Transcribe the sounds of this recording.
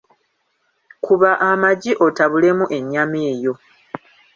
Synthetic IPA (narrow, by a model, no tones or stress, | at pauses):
kʰuβaʔamaɟiʔo̞taβule̞muʔe̞ɲːameːjo̞